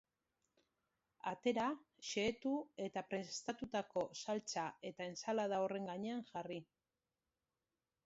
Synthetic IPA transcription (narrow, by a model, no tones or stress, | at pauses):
at̪e̞ɾa | ʃe̞ːt̪ue̞t̪apɾe̞st̪at̪ut̪ako̞salt͡sae̞t̪ae̞nsalaðaore̞ŋɡaɲe̞aŋʝari